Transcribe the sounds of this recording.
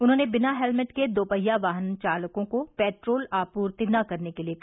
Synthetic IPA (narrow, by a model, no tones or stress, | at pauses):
ʊnɦõːnebɪnaɦɛlmɪʈked̪oːpəjaʋaːɦənt͡ʃaːləkõkopɛːʈɾoːlaːpuːɾt̪inɐkɐɾnekeliek